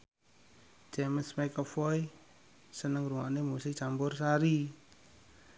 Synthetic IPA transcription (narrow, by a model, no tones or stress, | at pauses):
t͡ʃɛmənsmakɔfɔj | sənəŋɾuŋa̰ʔnemusɪt͡ʃambʊrsaɾi